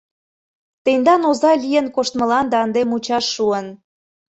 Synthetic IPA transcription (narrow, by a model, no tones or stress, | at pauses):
t̪end̪ɑnozɑlʲijənkoʃt̪mə̆lɑnd̪eɑnd̪emut͡ɕɑʃːuən